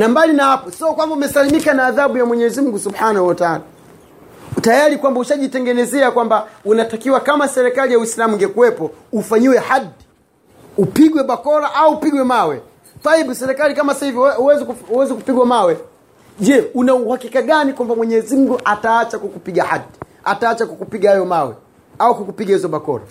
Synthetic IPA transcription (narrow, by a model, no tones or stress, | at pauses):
nambalinahapɔsiɔkwambaumɛsalimikanaːðaɓujamwɛɲɛzim̩ɡusubhanahuwataala | tajaɾikwambauʃaʄitɛŋɡɛnɛzɛakwambaunatakiwakamasɛɾɛkalijawislamuŋɡɛkuwɛpɔ | ufaɲiwɛhadi | upiɡwɛɓakɔlaʔauːpiɡwɛmawɛ | θaiɓusɛɾɛkalikamasahiviuwɛzikuuwɛzikupiɡwamawɛ | ʄɛunauhakikaɡanikwambamwɛɲɛzim̩ɡuʔataat͡ʃakukupiɡahadi | ataːt͡ʃakakupiɡahajɔmawɛ̰ | aukukupiɡahizɔɓakɔ̰la̰